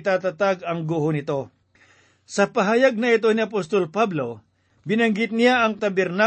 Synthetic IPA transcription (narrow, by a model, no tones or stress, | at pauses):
t̪aːt̪ɐt̪aɡɐŋɡohonɪt̪o̞ | sɐpɐɦajaɡ̚nɐɪt̪̬o̞niɐpost̪o̞lpablo̞ | bɪnɐŋɡɪt̪̚nɪjaʔɐŋt̪ɐbɛɾna